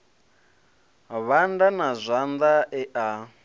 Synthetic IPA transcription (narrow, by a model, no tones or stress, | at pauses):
βandanazʷand̪aʔɛʔa